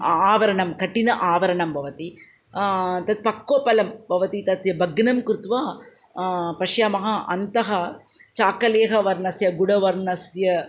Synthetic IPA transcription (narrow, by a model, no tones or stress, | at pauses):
aːʋɐɾɐɳɐmkɐʈːinɐʔaːʋɐɾɐɳɐmbʱɐʋɐt̪i | t̪ɐt̪̚pɐkːoːpɐlɐmbʱɐʋɐt̪it̪ɐt̪jɐbʱɐɡnɐmkɾut̪ʋaː | pɐʂjaːmɐɦɐʔɐnt̪ɐɦɐt͡ʃaːkɐleːɦɐʋɐɾɳɐsjɐɡuɽɐʋɐɾɳɐsjɐ